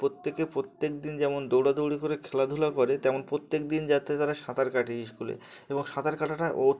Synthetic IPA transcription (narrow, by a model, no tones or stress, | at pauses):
pɾot̪ːekepɾot̪ːek̚d̪ind͡ʑɛmond̪owɽad̪owɽikoɾekʰɛlad̪ʱulakoɾet̪ɛmonpɾot̪ːek̚d̪ind͡ʑat̪et̪aɾaʃat̪aɾkaʈiiʃkulḛ | eboŋʃat̪aɾkaʈaʈaʔo